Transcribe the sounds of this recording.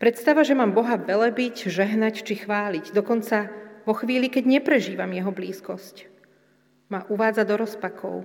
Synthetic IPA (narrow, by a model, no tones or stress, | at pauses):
pɾɛt̪st̪aʋaʒɛmaːmbɔɦaʋɛlɛbicʒɛɦnact͡ʃixʋaːliɟd̪ɔkɔnt͡saʋɔxʋiːlikɛɟɲɛpɾɛʒiːʋamjɛɦɔbliːskɔsc | maʔuʋaːd͡zad̪ɔɾɔspakʰɔ̰ʊ